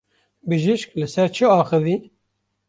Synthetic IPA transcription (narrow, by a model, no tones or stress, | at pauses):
bɨʒiʃklɨsɛɾt͡ʃʰɨɑːxɨvi